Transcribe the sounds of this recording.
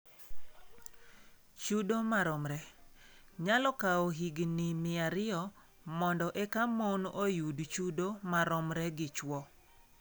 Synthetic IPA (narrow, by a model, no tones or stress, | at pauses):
t͡ʃudomaɾɔmɾɛ | ɲalɔkaoɦiɡnimɪaɾɪɔ | mɔndɔʔɛkamonojudt͡ʃudomaɾɔmɾɛɡɪt͡ʃwɔ